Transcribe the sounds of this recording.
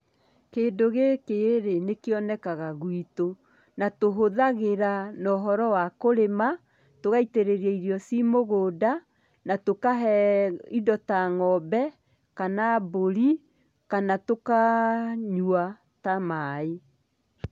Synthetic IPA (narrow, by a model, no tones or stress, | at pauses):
keːdoɣekeeɾenekeɔnɛkaɣaɣwito | natoɦoðaɣeɾanɔɦɔɾɔwakoɾema | toɣaiteɾeɾiɛiɾiɔsimoɣoda | natokaɦɛidɔtaŋɔbɛ | kanaboɾi | kanatokaɲua | tamae